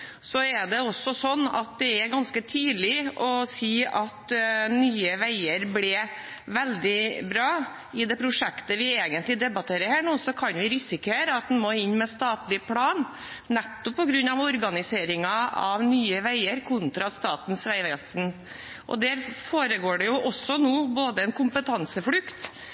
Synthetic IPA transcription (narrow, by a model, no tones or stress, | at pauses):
sɔɛɖ̪ɛɔsːɔsɔnːɑ̰t̪̚d̪ɛæɾɡɑnskət̪ʰiːd̪lɪʔɔsiːɑt̪nyːəʋæɪəɾblɛ | ʋɛld̪ɪbɾɑː | ɪd̪ɛpʰɾʊʂɛkt̪əʋɪeːɡənt̪lɪd̪ɛbɑt̪ʰeːɾəɾhæːɳuːsɔkʰɑnʋɪɾɪsɪkeːɾəɑt̪̚d̪ɛnmoːɪnːmɛst̪ɑːt̪lɪpʰlɑːn | nɛt̪ːɔpʰːɔɡɾʉnːɑʋɔɾɡɑnɪseːɾɪŋɑɑ̰ʋnyːəʋæɪəɾkʰʊnt̪ɾɑst̪ɑːt̪n̩sʋæɪʋɛːsn̩ | ʔɔ̰d̪æɾfoːɾəɡoːɖɛjʊʔɔsɔnuːboːd̪əɛnkʰʊmpət̪ʰɑnsəfɽʉkt̪